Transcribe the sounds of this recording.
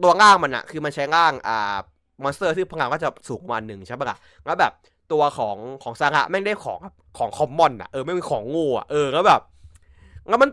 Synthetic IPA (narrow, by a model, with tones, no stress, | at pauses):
t̪u˧ɐŋaː˥˩ŋma˧nʔa̰˨˩kʰɯː˧ma˧nt͡ɕʰa˦˥jŋaː˥˩ŋʔaː˨˩ | mɔː˧nst̪ɤː˥˩t̪ʰiː˥˩pʰa˧ŋaː˧˩kɔː˥˩t͡ɕa˨˩suː˩˦ŋ˧aː˧nːɯ˨˩ŋt͡ɕʰa˦˥p̚ma˥˩ʔa̰˧˩ | ŋa˦˥wbɛː˨˩p̚ | t̪u˧ɐkʰɔː˩˦ŋkʰɔː˩˦ŋsaː˧ŋa̰˦˥ʔma˥˩jda˥˩jkʰɔː˩˦ŋa˦˩kʰɔː˩˦ŋkʰɔ˧˥mːɔ˧˩nʔa̰˨˩ʔɤː˧ma˥˩jmiː˧˩kʰɔː˩˦ŋːuː˥˩a̰˨˩ʔɤː˧ŋa˦˥bɛː˨˩p̚ | ŋa˦˥nma˧n